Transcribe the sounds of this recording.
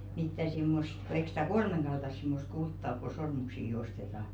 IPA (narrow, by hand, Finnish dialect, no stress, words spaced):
mitːæ simːost ko eik si̥tæ kolmeŋɡ̊ɑltɑs simːost kultːɑ ok ku sormuksiːki ostetɑː